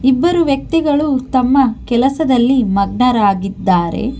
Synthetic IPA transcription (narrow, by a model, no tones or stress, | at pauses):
ibːɐɾuʋjɐk̚t̪iɡɐɭut̪ɐmːɐkɛlɐsɐd̪ɐlːimɐɡɳɐɾaːɡid̪ːaːɾe̞̰